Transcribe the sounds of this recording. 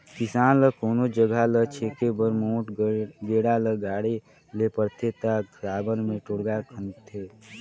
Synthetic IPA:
kɪsaːnləkoːnod͡ʒəɡʱalət͡ʃʰeːkebəɾmõːʈɡeːɽaləɡaːɽe | lepəɾt̪ʰet̪aɾaːbənmẽʈoɽɡakʰənt̪ʰeː

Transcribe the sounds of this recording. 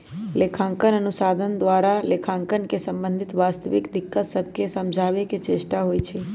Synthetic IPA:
lekʰãŋkənənusad̪ʱənd̪ʋaɾalekʰãŋkənkesə̃mbə̃nd̪ʱit̪ʋast̪əʋḭkd̪ikːət̪səb̚ʱkesəmd͡ʒʱaʋeket͡ʃesʈaɦojt͡ʃʰe

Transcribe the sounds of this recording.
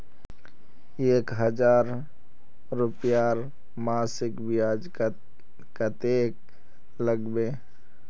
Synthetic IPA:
eːkɦəd͡ʒaːɾ | ɾupjaːɾ | maːsɪkbijad͡ʒ | kət̪ek̚ | ləɡbeː

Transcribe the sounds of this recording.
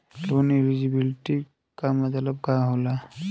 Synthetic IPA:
lonilizibiliʈi | kamat̪alab̚ɡaɦola

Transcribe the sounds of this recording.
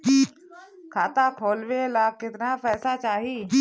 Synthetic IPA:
kʰaːt̪akʰoːlʋelaːkːɪt̪napɛːsat͡ʃaːɦiː

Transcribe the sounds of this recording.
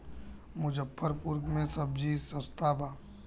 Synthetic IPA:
mʊd͡ʒəpʰːəɾpʊɾkmẽsəb̚d͡ʒisə̃st̪ʰaːbaː

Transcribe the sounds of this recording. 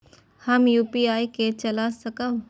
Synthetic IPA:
həmjuːpiaːjket͡ʃəlasəkəw

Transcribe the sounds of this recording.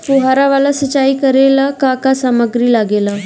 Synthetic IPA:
puɦaɾaʋalasət͡ɕaiːkəɾelakakasaməɡɾiːlaɡela

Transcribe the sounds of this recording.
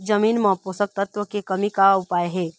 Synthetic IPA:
d͡ʒɐmiːnmãposək̚t̪ət̪wəkekɐmikaʊpaːeɦɛː

